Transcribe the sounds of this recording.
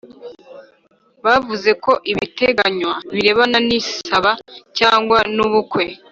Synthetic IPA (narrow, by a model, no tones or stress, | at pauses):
βavuze̞ko̞ʔiβite̞ɡaɲwaβiɾe̞βananisaβacaːŋɡwanuβukwe̞